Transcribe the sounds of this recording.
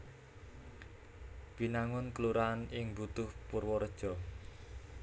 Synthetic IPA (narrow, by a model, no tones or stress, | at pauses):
b̥i̤naŋʊnkəluɾanɪŋbut̪ʊhpʊrwɔɾəd̥ʒ̥ɔ̤